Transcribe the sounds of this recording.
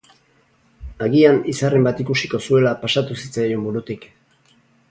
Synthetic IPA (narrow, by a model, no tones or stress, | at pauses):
aɣianisare̞mbat̪ikusiko̞sue̞lapasat̪usit͡sajo̞mbuɾut̪ik